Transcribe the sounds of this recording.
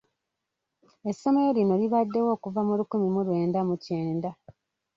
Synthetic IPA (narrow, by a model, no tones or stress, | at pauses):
e̞sːo̞me̞jolino̞liβadːe̞wo̞ːkuvamulukumimulwe̞ːndamuce̞ːnda